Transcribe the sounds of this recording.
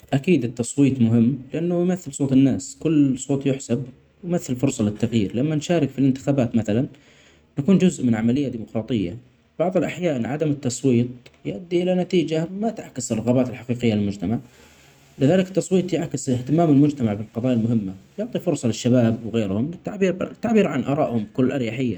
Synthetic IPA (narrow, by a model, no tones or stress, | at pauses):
ʔakiːd̪ɪt̪ːɑsˤwiːt̪ˤmʊɦɪmːlɪʔanːʊjmaθːɪlsˤoːt̪ˤɪnːaːskʊlːsˤoːt̪ˤjʊħsab | wmaθːɪlfʊɾsˤɑlɪt̪ːaɣjiːɾlamːanʃaːɾɪkfilɪnt̪ɪ̥xaːbaːt̪maθalanː | akuːnd͡ʒʊzʔmɪnʕamalɪjːad̪iːmʊqɾˤɑːt̪ˤɪjːa̰ | b̥ɑʕðˤɨlʔaħjaːnʕad̪amɪt̪ːɑsˤwiːt̪̚ˤjʔad̪ːiʔɪlanat̪iːd͡ʒamat̪aʕkɪsɪrˤːɑɣaːbaːt̪ɪlħaqiːqɪjːalɪlmʊd͡ʒt̪amaʕ | lɪðaːlɪkɪ̥t̪ːɑsˤwiːt̪ˤjɪʕkɪsɪht̪ɪmaːmɪlmʊd͡ʒt̪amaʕbɪlqɑðˤɑːjalmʊɦɪmːajʊʕt̪ˤifʊɾsˤɑlɪʃːabaːbwɣeːɾhʊmlɪt̪ːaʕbiːɾt̪ːaʕbiːɾʕanʔɑ̰ɾˤɑːʔhʊmkʊlːʔɑɾjaħɪjːa